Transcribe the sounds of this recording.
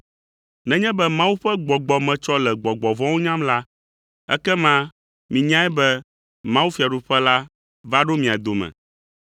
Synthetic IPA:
nɛ̃˨˦ɲɛ̃˦bɛ˦mã˦wu˦ɸɛ˦ɡ͡bɔ˨ɡ͡bɔ˨mɛ̃˨t͡ʃɔ˦lɛ˨ɡ͡bɔ˨ɡ͡bɔ˨vɔ̃˦wo˦ɲã˦mla˦ | ɛ̰˦kɛ˦mã˦ | mĩ˨ɲã˦ɛ˦bɛ˦ | mã˦wu˦fi˨a˨ɖu˨ɸɛ˦la˦ | va˦ɖo˦mĩ˨a˨d̪o˨mɛ̰̃˨

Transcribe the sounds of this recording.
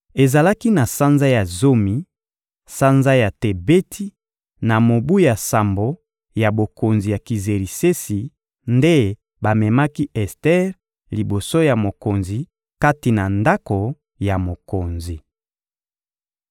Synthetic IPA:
e˨za˨la˦ki˦na˨sa˦nza˦ja˨zo˦mi˨ | sa˦nza˦ja˨te˨be˦tʰi˦ | na˨mo˨bu˦ja˨sa˨mbo˨ | ja˨bo˨ko˨nzi˨ja˨ki˨ze˨ʁi˨se˦si˨ | nde˦ | ba˨mɛ˨ma˦ki˦ʔɛ˨stɛ˦ʁ | li˨bo˨so˦ja˨mo˨ko˨nzi˨ | ka˦ti˨na˨nda˦ko˨ | ja˨mo˨ko˨nzi˨

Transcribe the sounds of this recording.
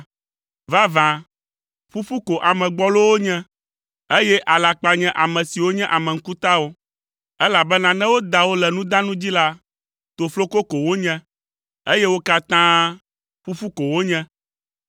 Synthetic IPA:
va˦vã˨ | fu˦fu˦ko˨ʔa˨mɛ̃˨ɡ͡bɔ˦lo˦wo˦ɲɛ̃˦ | e˦jɛ˦ʔa˨la˨k͡pa˨ɲɛ̃˦ʔa˨mɛ̃˨si˨wo˦ɲɛ̃˦ʔa˨mɛ̃˨ŋ̩˦ku˦t̪a˦wo˦ | ɛ˦la˨bɛ˦nã˨nɛ̃˦wo˦d̪a˨wo˦lɛ˨nũ˦d̪ã˦nũ˦d͡ʑi˦la˦ | t̪o˨flo˦ko˦ko˨wo˦ɲɛ̃˦ | e˦je˦wo˦ka˦t̪ã˦ | fu˦fu˦ko˨wo˦ɲɛ̃˦

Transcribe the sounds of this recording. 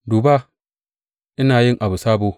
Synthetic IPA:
duː˨ba˦ | ʔɪ˦naː˨jɪ˦ŋʔa˨bu˨saː˦boː˨

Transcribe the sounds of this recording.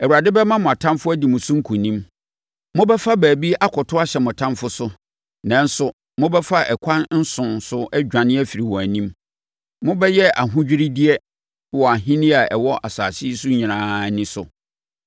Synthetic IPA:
ɛ˨wu˨a˨dɪ˦bɛ˦mã˦mʊ̃˨a˨tʰã˦mfʊ˦æ˦di˨mʊ̃˨sʊ̃˦ŋ̩˦kʰũ˨nĩ˦m | mʊ̃˦bɛ˦fa˦bæː˨bi˦a˦kʰɔ˨tʰʊ˦a˦ɕɛ˨mʊ̃˨tʰã˦nfʊ˦sʊ˦ | nã˨n˦sʊ˨ | mʊ̃˦bɛ˦fa˦ɛ˨kʷʰã˦nn̩˦sʊ̃˨nsʊ˦ɛ˦d͡ʑᶣã˨nɪ̃˦æ˦fi˨ɾi˨wɔ˨æ˨nĩ˦m | mʊ̃˦bɛ˦jɛ˦a˨ɦʊ̃˦d͡ʑᶣi˦ɾi˦di˦ɛ˦ | wɔ˨a˨ɦĩ˦nɪ̃˦a˨ɛ˨wɔ˦ʔa˨sa̰ː˨sɪ˦sʊ˦ɲĩ˨nãː˨˦nɪ̃˦sʊ˨

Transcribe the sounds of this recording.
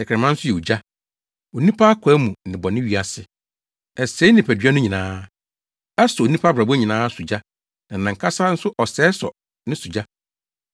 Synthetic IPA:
ɛ˨kʰɾɛ˨mã˦n̩˦sʊ˦jɛ˨u˨d͡ʑa˦ | o˨nĩ˦pʰa˦a˦kʰɛ˨˦mũ˨nɪ̃˨bɔ˨nɪ̃˦ɥi˨a˨sɪ˨ | ɛ˨se˦nɪ̃˨pʰæ˨dɥa˦nʊ̃˦ɲĩ˨nãː˦ | ɛ˦sɔ˨o˨nĩ˦pʰa˦bɾa˨bɲĩ˨nãː˦su˨d͡ʑa˦ | nã˨nã˨ŋ˨kʰa˦sa˦n̩˦sʊ˦ʔɔ˨sɛː˦sɔ̰˨ | nɪ̃˦su˨d͡ʑa˦

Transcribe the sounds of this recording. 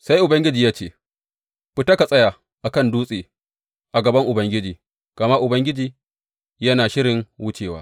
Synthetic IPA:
sa˦jʔʊ˨bɐ˦ŋɡʲɪ˦d͡ʒiː˨jaː˦t͡ʃeː˦˨ | ɸɪ˦tɐ˦ka˨sʼɐ˦ja˨ | ʔa˨kɐ˦˨nduː˦sʼeː˨ | ʔa˨ɡɐ˨bɐ˦ŋʔʊ˨bɐ˦ŋɡʲɪ˦d͡ʒiː˨ | ɡ̥ɐ˨ma˦ʔʊ˨bɐ˦ŋɡʲɪ˦d͡ʒiː˨ | jɐ˦naː˨ʃɪ˦ɽɪ˨ŋwʊ˦t͡ʃeː˨wa̰ː˦

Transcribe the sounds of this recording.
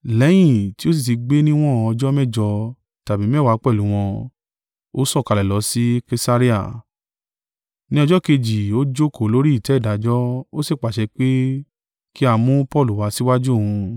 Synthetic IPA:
lɛ˨˦j̃ĩ˦˨ti˦o˦s̬i˦˨t̬i˨˧ɡ͡be˦nĩ˦w̃ɔ̃˦˨ɔ˧d͡ʒɔ˦mɛ˦˨d͡ʒɔ˧ | ta˨bi˨˦m˦ɛ˦˨wa˨˧˦k͡pɛ˦˨lũ˨˦w̃ɔ̃˧ | o˦sɔ˦˨ka˧lɛ˨lɔ˨˧˦si˦ke˧sa˧ɾi˦a̰˦˨ | nĩ˦ɔ˧d͡ʒɔ˦ke˧d͡ʒi˨o˦d͡ʒo˦ko˨lo˨˦ɾi˦i˦˨tɛ˨˦i˦˨da˨˦d͡ʒɔ˦o˦se˦˨k͡pa˨ʃɛ˧k͡pe˦ | ki˦a˧mũ˦pɔ˦˨lu˨wa˧˦si˦wa˦d͡ʒu˦o˦˨hũ˧

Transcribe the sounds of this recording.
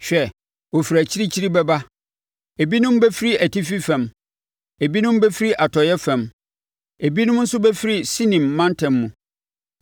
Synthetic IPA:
ɕᶣɛ˨ | wo˨fi˨ɾæ˨t͡ɕʰi˦ɾi˦t͡ɕʰi˦ɾi˦bɛ˦ba˦ | e˨bi˦nʊ̃˦mbɛ˦fi˦ɾi˦æ˨tʰi˦fi˦fɛ̃˨m | e˨bi˦nʊ̃˦m˦bɛ˦fi˦ɾi˦ʔa˨tʰɔ˨jɛ˦fɛ̃˨m | e˨bi˦nʊ̃˦m˦n̩˦sʊ˦bɛ˦fi˦ɾi˦si˦nĩ˨mːã˦ntʰɛ̃˨mːũ˨

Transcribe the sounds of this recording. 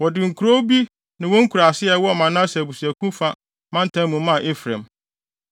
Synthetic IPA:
wɔ˨dɪ˨ŋ̩˨kʰu˨ɾo˦bi˦ | nɪ̃˨wɔ̃˦ŋ̩˦kʰu˨ɾa˨sɪ˦ɛ˨wɔ˦˨mã˨nã˦sa˨bu˨su˨æ˨kʰũ˦fa˦ | mã˦n̩˦tʰã˦mũ˨˦mã˦˨ʔe˦fɾã̰˨m

